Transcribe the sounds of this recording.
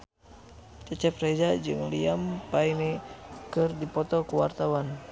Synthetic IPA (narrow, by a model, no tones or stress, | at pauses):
t͡ʃɛt͡ʃɛprɛdad͡ʒɨŋliampainɛkɨrdipɔt̪ɔkuwa̰rt̪awan